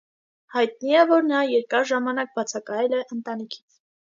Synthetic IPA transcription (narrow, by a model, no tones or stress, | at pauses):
hɑjt̪niɛvɔɾnɑjɛɾkɑɾʒɑmɑnɑk̚bɑt͡sʰɑkɑjɛlɛʔənt̪ɑnikʰi̥t͡sʰ